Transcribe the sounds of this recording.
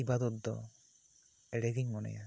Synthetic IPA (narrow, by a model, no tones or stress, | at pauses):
ibad̪ɔt̪d̪ɔ̰ | ɛɾeɡiŋmɔnɛ̰ja